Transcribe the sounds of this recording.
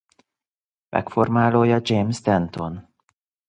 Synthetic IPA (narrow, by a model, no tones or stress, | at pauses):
mʔɛ̰kfo̞rmaːloːjɒd͡ʒejmsd̪ɛnt̪o̞n